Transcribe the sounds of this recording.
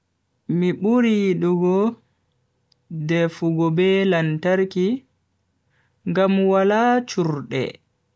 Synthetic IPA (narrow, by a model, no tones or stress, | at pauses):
miɓuɾiɗuɡɔ | dɛfuɡɔbɛlantaɾki | ŋɡamwalat͡ʃuɾɗɛ̰